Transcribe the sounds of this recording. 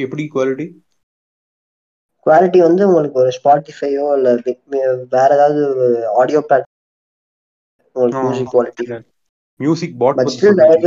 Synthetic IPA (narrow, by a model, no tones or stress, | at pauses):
ɛpːɐɽikʋaːlɪʈi | kʋaːlɪʈːiʋɐnd̪ɯʊŋɡɐɭɯkːɯɔɾɯspaːʈːɪfɐɪoːɐlːɐ | ʋeːɾɐðaːðɯaːɽɪjoːpɾaːk̚ʈɪ | ʊŋɡɐɭɯkːɯmjuːs̬ɪkːʋaːlɪʈːi | mjuːsɪk̚bɔːbɐt͡ʃːɯdɐð